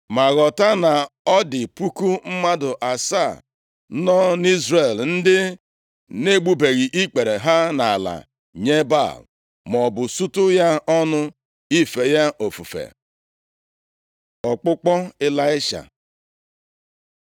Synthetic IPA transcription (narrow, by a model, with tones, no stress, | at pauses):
ma˨ɣɔ˨ta˦na˨ɔ˦dɪ˨pu˦ku˦m̩˦ma˦dʊ˨ʔa˨sa˦˨ | nɔ˦ni˦zɾe˨ln̩˦dɪ˦ | ne˦ɡ͡bu˦be˨ɣi˨ʔi˦k͡pe˨ɾe˨ɦa˦na˨la̰˨ | ɲe˦ba̰˦˨l | mɔ˨bʊ˨su˦tʊ˦ja˦ʔɔ˦nʊ˦ | i˦fe˨ja˦ʔo˨fṵ˨fḛ˨ | ɔ˨k͡pʊ˦k͡pɔ˦ɪ˦la˦ɪ˦ʃa̰˨